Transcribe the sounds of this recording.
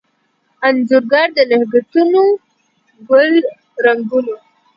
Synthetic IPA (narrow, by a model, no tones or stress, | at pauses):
anzuɾɡɑɾd̪ənahɡat̪uno | ɡʊl | ɾaŋɡuno